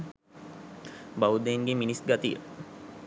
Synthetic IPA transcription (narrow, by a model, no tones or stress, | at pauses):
bawud̪eŋɡeminisɡat̪ijə̰